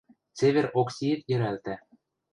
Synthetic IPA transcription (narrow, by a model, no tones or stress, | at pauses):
t͡seβʲeɾoksʲiet̪jɘ̆ɾælt̪æ